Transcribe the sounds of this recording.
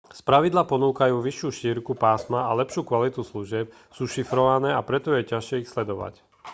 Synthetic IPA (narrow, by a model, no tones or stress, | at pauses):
spɾaʋid̪lapɔnuːkajuːʋiʃjuːʃiːɾkupaːsmaalɛpʃuːkʋalit̪usluʒɪɛp̚ | suːʃifɾɔʋanɛːapɾɛt̪ɔjɛcaʃɪɛixslɛd̪ɔʋa̰c